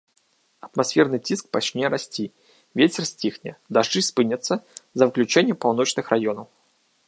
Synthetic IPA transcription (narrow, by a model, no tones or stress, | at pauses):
ɐt̪masʲfʲɛrnɨt͡sʲisk̚pat͡ʃnʲɛɾasʲt͡sʲi | vʲet͡sʲɛrsʲt͡sʲixnʲɛd̪aʐd͡ʐɨspɨnʲɐt̪sːɐzɐwɨklʲut͡ʂɛnʲːɛpawn̪ɔt͡ʂnɨxrajɔnɐw